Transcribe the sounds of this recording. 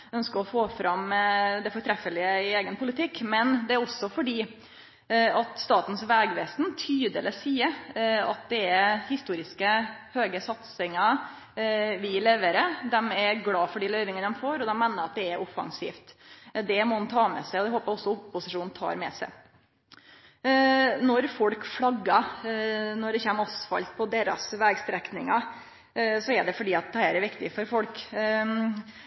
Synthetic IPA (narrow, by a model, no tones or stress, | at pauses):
œnskəɾɔfoːfɾɑmd̪ɛfɔɾʈ̪ʰɾɛfːəlɪəɪeːɡənpʰʊlɪt̪ʰɪkːmɛnd̪ɛæɾɔsːɔfɔɖiː | ɑt̪st̪ɑːt̪n̩sʋɛːɡʋɛːsnt̪ʰyːd̪ələsiːəɾɑt̪̚d̪ɛɛɾhɪst̪uːɾɪskəhøːɡəsɑt̪sɪŋɑ | ʋɪlɛʋeːɾəd̪ɛmɛɾɡlɑːfɔɖiːlœʏʋɪŋənd̪ɛmfoːɾɔd̪ɛmːæɪnəɾɑt̪̚d̪ɛɛɾʔɔfɑ̰ŋsḭːft̪d̪ɛmɔhɑnt̪ʰɑːmɛ̰sæɪɔd̪ɛhoːpəɾɔsːɔʊpːʊsɪʂuːnnt̪ʰɑ̰ːɾmɛ̰sæ̰ɪ | nɔɾfɔlkflɑɡːɑ | nɔɖɛçɛːmɔsfɑ̰lt̪̚pʰɔd̪eːɾɑ̰sʋɛːɡst̪ɾɛknɪŋɑ | sɔɛɖɛfɔɖiːɑt̪̚d̪ɛhæːɾæɾʋɪkt̪ɪfɔɾfɔlk